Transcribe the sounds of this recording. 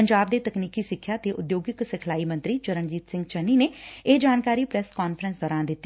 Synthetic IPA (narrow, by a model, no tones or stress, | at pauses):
pəɲd͡ʒaːbd̪eːt̪əkniːkiːsɪkʰːjaːt̪eːʔʊd̪joːɡɪksɪkʰlaːiːmə̃nt̪ɾiːt͡ʃəɾənd͡ʒiːt̪sɪ̃ŋɡt͡ʃənːiːneːed͡ʒaːnkaːɾiːpɾɛskaːnfʰəɾənsd̪ɔːɾãːnd̪ɪt̪ːi̥